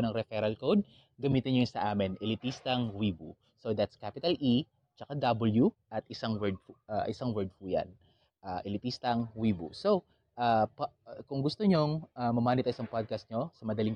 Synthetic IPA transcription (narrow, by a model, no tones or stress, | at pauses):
nɐŋɾɛfɛɾɐlkowd̪̚ | ɡɐmiːt̪ɪnɲonsɐʔaːmɪnʔɛlɪt̪ist̪ɐŋwiːbu | sod̪at̪skapɪt̪ɐlʔi | t͡ʃɐkad̪ɐbɐljuʔɐt̪ɪsaŋwɛɹd̪̚aʔɪsaŋwɛɹd̪̚fujɐ̰n | ʔaːʔɪlɪt̪ist̪ɐŋwiːbṵso̞ | ʔaːpkʊŋɡʊst̪oɲoŋʔamɐmaːnɪt̪ɐʔɪsɐŋpad̪̚kɐst̪̚ɲo̞sɐmɐd̪ɐliŋ